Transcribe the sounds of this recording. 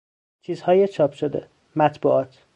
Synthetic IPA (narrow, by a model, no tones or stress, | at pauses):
t͡ʃʰiːzhɒːjet͡ʃʰɒːpʰʃod̪ḛ | mæt̪ʰbṵːɒːt̪ʰ